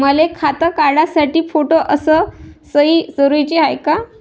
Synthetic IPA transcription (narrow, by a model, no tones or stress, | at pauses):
m̤əlekʰat̪əkaɽasaʈiːfoʈoʔəsəsəiːsəɾujt͡ɕiɦajka